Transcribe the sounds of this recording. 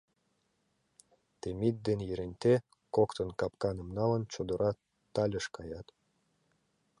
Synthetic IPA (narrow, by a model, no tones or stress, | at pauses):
t̪emit̪̚d̪enjeɾenʲt̪e | kokt̪ənkɑpkɑnə̆mnɑlə̆nt͡ɕod̪ə̆ɾʔɑ | t̪ɑlʲəʃkɑjɑt̪